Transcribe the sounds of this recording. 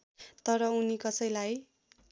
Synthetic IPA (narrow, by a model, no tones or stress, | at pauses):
t̪ʌɾʌunikʌsʌjlaj